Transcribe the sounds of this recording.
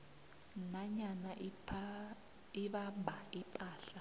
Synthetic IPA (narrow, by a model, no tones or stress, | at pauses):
naɲana | iɓambʱaipʼaːɬa